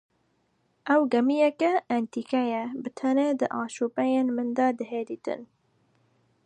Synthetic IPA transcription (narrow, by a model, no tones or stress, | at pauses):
ʔɛwɡɛmijɛkɛʔɛnt̪iːkɛjɛbɨt̪ʰɛned̪ɨʔɑːʃuːpɛjeːnmɨnd̪ɑːd̪ɨɦeːd̪iːt̪ɨ̰n